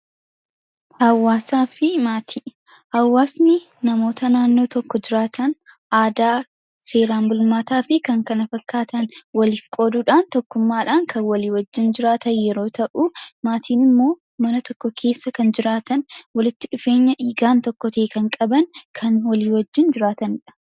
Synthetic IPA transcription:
hɐwːaːsaːfɪmaːt̪ʰiː | hɐwːaːsnɪ | nɐmo̞ːt̪ɐnaːnːo̞ːt̪ɔkːɔd͡ʒɪɾaːt̪ɐn | aːd̪aː | se̞ːɾaːmbʊlmaːt̪aːfɪkɐŋkɐnɐfɐkːaːt̪ɐnwɐliːfkʼo̞ːd̪uːᶑaːnt̪ɔkːʊmːaːᶑaːŋkʰɐnwɐliːwɐd͡ʒːɪnd͡ʒɪɾaːt̪ɐnjɛɾo̞ːt̪ʰɐʔumaːt̪ʰiːnɪmːo̞ː | mɐnɐt̪ɔkːɔkʰe̞ːsːɐkɐnd͡ʒɪɾaːt̪ɐnwɐlɪt̪ːɪᶑʊfe̞ːɲːɐʔiːɡaːnt̪ɔkːɔt̪ɐkɐŋkʼɐbɐnkʰɐnwɐliːwɐd͡ʒːɪnd͡ʒɪɾaːt̪ɐnɪᶑɐ̥

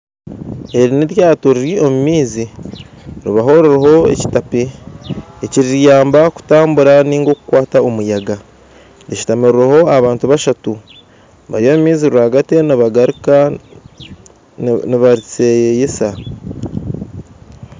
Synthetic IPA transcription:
e̞ɾineɾjaːtoɾiɾio̞mumiːzi | ɾiβaɦo̞ɾeɾeɦo̞e̞̰ci̥tapeː | ciɾiɾjaːmbaku̥taːmbuɾaniːŋɡo̞ːkukwaːtao̞mujaɡa | dici̥tamiɾuɾeho̞aβaːntuβaʃatu | βa̰ɾio̞mumiːziɾuɾaɡate̞niβaɡaɾik | niβaɾit͡sejjesa

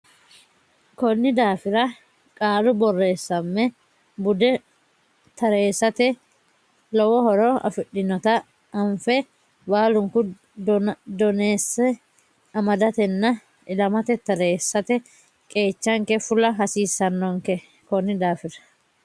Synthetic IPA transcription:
kɔnːɪd̪aːfɪɾɐ | kʼaːlʊbɔrːe̞ːsːɐmːɛ | bʊd̪ɛ | t̪ɐɾe̞ːsːɐt̪ɛ | lɔwɔhɔɾɔɐ̰fɪɗːɪnɔt̪ɐ | ɐɱfɛ | baːlʊŋkʊ | d̪ɔneːsːɛ | ɐmɐd̪ɐt̪ɛnːɐ | ɪlɐmɐt̪ɛt̪ɐɾeːsːɐt̪ɛ | kʼe̞ːt͡ʃːɐŋkɛfʊlɐɦɐsiːsːɐnːɔŋkɛ | kɔnːɪd̪aːfɪɾɐ̥

